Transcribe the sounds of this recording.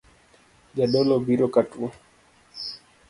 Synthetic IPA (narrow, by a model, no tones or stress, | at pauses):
ʄaɗɔlɔbiɾɔkatua